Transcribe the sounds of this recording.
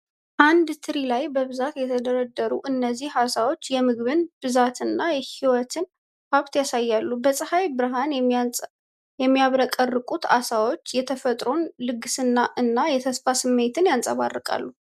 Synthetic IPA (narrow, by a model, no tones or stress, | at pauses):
ʔand̪t̪ʰɨɾilajbəβɨzat̪jɛt̪ʰəd̪əɾəd̪ːəɾuʔɨnːəzːihasawo̞t͡ʃːjɛmɨɡβɨnb̥ɨzat̪ʰɨnːajɛhiwɔt̪ʰɨn | haβt̪jasajːalːubəsʼɨhajbɨɾɨɦan | jɛmːijaβɾəkʼərːɨkʼut̪a̰sawo̞t͡ʃːjɛt̪ʰəfət̪ʼɾo̞nlɨɡɨsɨnːaʔɨnːajɛt̪ʰəsfasɨmːe̞t̪ʰɨnjansʼə̰βa̰rːɨkʼa̰lːu